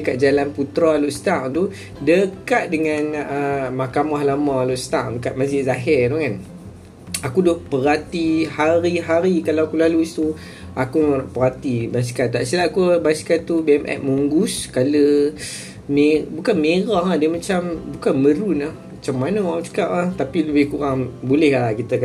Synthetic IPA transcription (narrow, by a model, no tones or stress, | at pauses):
dəkat̪̚d͡ʒalanput̪ɾaloʔst̪aŋt̪u | dəkat̪̚dəŋanəmakamahlamãloʔst̪aʔdəkat̪̚maziʔzaɦɛrdohkan | akudɔʔpəɾat̪ihaɾiɦaɾikalawakulaluit̪u | akuʔpəɾat̪ibaskat̪ːaʔsilaʔkubaskat̪ubiɛmʔɛ̰ʔ̚muŋɡuskalə | mebukanmeɾɔhadimat͡ʃambukanməɾunahmat͡ʃamːanəaut͡ʃə̥kaʔaht̪apiləbɪhkuɾaŋbolɛhlakit̪əka